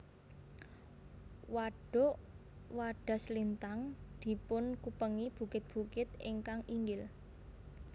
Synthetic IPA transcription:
waɖ̥o̤ʔwaɖ̥a̤slint̪aŋd̪̥i̤pʊnkupəŋib̥ṳkɪt̪̚b̥ṳkɪt̪ɪŋkaŋiŋɡɪl

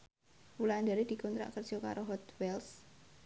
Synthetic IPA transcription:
wuland̪aɾed̪̥i̤kɔnt̪ɾa̰ʔkərd͡ʒ̥ɔka̰ɾoɦɔt̪wɛls

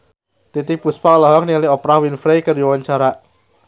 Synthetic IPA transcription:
t̪it̪ɪk̚puspaɔlɔɦɔkniliɔpɾahwinfɾejkəruwaɲt͡ʃaɾa

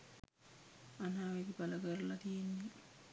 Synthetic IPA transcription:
anaːʋeɡibaləɡəɾlɐt̪ijenːe

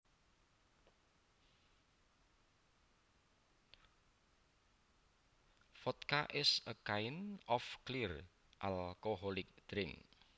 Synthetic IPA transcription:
fɔt̪kaʔɪsəkaɪnɔfklir | ʔalkoɦɔlɪk̚d̪̥ɾɪŋ

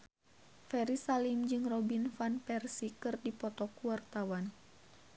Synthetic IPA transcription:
fɛɾisalimd͡ʒɨŋrɔbinfanpɛrsikɨrdipɔt̪ɔkuwart̪awan

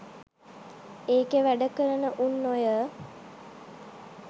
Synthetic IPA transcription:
eːkeʋæɖəkəɾənəʔunːojə

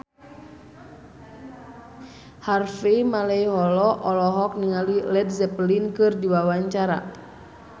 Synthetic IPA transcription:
harfimalɛiɦɔlɔʔɔlɔɦɔk̚niŋalilɛd̚zɛplinkɨrdiwawaɲt͡ʃaɾa̰

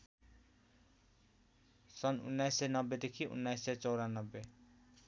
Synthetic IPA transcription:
sʌnṵnːajsːenʌbːed̪ekʰiʔṵnːajsːet͡sʌwɾanʌbːe

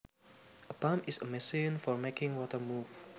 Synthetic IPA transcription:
əpãmɪsəmɛsĩnfɔɹmekɪ̃ŋwɔtəmuf

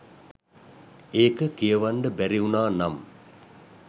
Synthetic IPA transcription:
eːkəkijəʋaɳɖəbæɾiunaːnam

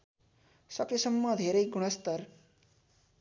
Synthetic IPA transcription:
sʌkesʌmːʌd̪ʱeɾej̚ɡuɽ̃ʌst̪ʌɾ

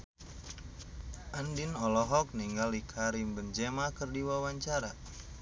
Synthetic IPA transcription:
ʔandinɔlɔɦɔk̚niŋɡalikʰaɾimbənd͡ʒemakərdiwawaɲt͡ʃaɾa

